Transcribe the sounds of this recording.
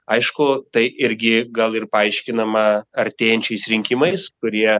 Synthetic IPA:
ɐɪʃkʊt̪ɐɪʔɪɾʲɡʲɪɡɐlˠɪrpɐɐɪʃʲkʲɪnɐmɐɐɾʲt̪ʲeːjɛnʲt͡ʃʲɛɪsɾʲɪŋʲkʲɪmɐɪskʊɾʲiɛ

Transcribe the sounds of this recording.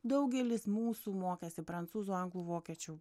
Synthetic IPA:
d̪ɒʊɡʲɛlʲɪsmuːsuːmoːkʲɛːsʲɪpɾɐnt̪suːzuːɐŋɡlˠuːʋoːkʲiɛt͡ʃʲuː

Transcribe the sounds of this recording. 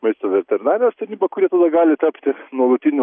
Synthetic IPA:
mɐɪst̪oʋʲɛɾt̪ʲɛɾʲɪnɑːɾʲɪnost̪ɐɾʲnʲiːbɐkʊɾʲiɛt̪ɐd̪ɐɡɑːlʲɪt̪ɐpʲt̪ʲɪnuɔlˠʊt̪ʲinʲʊ

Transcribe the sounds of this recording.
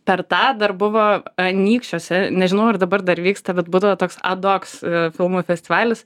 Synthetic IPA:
pʲɛrt̪ɑːd̪ɐrbʊʋoːɐnʲiːkʃʲt͡ʃʲoːsʲɛnʲɛʒʲɪnɐʊɐrd̪ɐbɐrd̪ɐɾʋʲiːkst̪ɐbʲɛt̪buːd̪ɐʋoːt̪oːksɐd̪oːksfʲɪlˠmuːfʲɛsʲt̪ʲɪʋɑːlʲɪs

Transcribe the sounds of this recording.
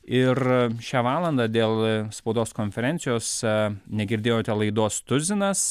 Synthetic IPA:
ɪrʃʲæːʋɑːlˠɐnd̪ɑd̪ʲeːlˠspɐʊd̪oːskoːnʲfʲɛɾʲɛˑnʲsʲɪjoːsnʲɛɡʲɪɾʲd̪ʲeːjoːt̪ʲɛlˠɐɪd̪oːst̪ʊzʲɪnɐs

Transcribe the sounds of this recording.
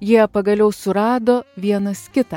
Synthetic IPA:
jiɛpɐɡɐlʲɛʊsʊɾɑːd̪oːʋʲiɛnɐskʲɪt̪ɐ

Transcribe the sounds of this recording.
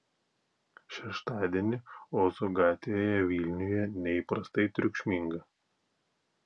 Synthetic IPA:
ʃʲɛʃt̪ɑːd̪ʲiɛnʲɪoːzoɡɑːt̪ʲʋʲejoːjɛʋʲilʲnʲʊjɛnʲɛiːˑpɾɐst̪ɐɪt̪ʲɾʲʊkʃʲmʲiŋɡɐ

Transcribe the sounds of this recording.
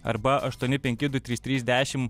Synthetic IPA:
ɐ̰ɾbɐʔɐʃt̪uɔnʲɪpʲɛŋʲkʲɪd̪ʊt̪ʲɾʲiːst̪ʲɾʲiːzʲd̪ʲæːʃʲɪm

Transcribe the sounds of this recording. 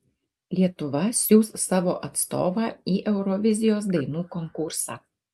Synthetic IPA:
lʲiɛt̪ʊʋɐsʲuːssɑːʋoːʔɐt̪st̪o̰ːʋɑːiːʔɛʊɾɔʋʲɪzʲɪjoːsd̪ɐɪnuːkɔŋkʊɾsɑ̰ː

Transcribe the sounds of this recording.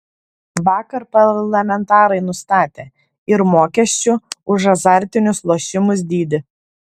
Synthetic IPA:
ʋɑːkɐɾpɐɾlˠɐmʲɛnt̪ɑːɾɐɪnʊst̪ɑːt̪ʲeː | ɪɾmoːkʲɛsʲt͡ʃʲʊʊʒɐzɑˑɾʲt̪ʲɪnʲʊslˠoːʃʲɪmʊs̬d̪ʲiːd̪ʲɪ

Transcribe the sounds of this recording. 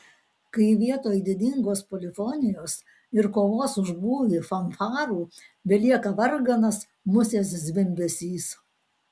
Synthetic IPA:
kɐɪʋʲiɛt̪oːjd̪ʲɪd̪ʲɪŋɡoːspɔlʲɪfɔnʲɪjoːs | ɪɾkoːʋoːsʊʒbuːʋʲiːfɐnfɑːɾuːbʲɛlʲiɛkɐʋɐɾɡɐnɐs | mʊsʲeːs̬zʲʋʲɪmʲbʲɛsʲiːs

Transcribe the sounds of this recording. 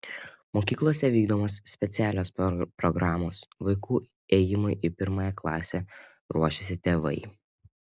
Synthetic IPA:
moːkʲiːklˠuɔsʲɛʋʲiːɡd̪oɔmoːssʲpʲɛt̪sʲæːlʲoːsppɾɔɡɾɑːmoːsʋɐɪkuː | ɛjɪmʊɪʔɪpʲɪɾmɑːjɛklˠɑ̰ːsʲe | ɾuɔʃʲesʲɪt̪ʲeːʋɐɪ

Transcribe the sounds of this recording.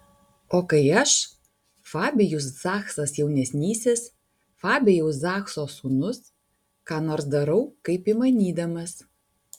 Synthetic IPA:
oːkɐɪɐʃ | fɑːbʲɛjʊs̬zɑːxsɐsjɛʊnʲɛsʲnʲiːsʲɪs | fɑːbʲɛjɛʊs̬zɑːxsoːsuːnʊs | kɑːnoːɾsd̪ɐɾɐʊkɐɪpimɐnʲiːd̪ɐmɐs

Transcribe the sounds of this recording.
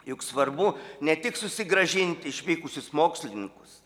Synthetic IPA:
jʊksʋɐrbʊnʲɛt̪ʲɪksʊsʲɪɡɾɐʒʲɪnʲt̪ʲɪʃʲʋʲiːkʊsʲʊsmoːksʲlʲɪnnʲɪŋkʊ̥s

